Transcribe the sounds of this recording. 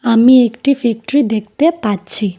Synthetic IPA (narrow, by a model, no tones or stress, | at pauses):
amĩekʈifek̚ʈɾid̪ek̚ʰt̪epatt͡ʃʰi